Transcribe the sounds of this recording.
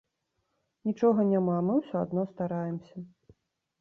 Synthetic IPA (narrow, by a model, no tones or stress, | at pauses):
nʲit͡ʂɔɣɐnʲamamɨwsʲɔad̪nɔst̪aɾajɛmsʲɐ